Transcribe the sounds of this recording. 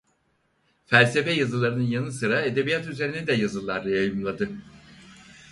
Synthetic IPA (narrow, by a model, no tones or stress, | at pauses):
fælʲse̞fɛjazɯlˠaɾɯnɯnjanɯsɯɾaed̪e̞bijat̪yzeɾʲinɛd̪ɛjazɯlˠaɾːajajɯmlˠad̪ɯ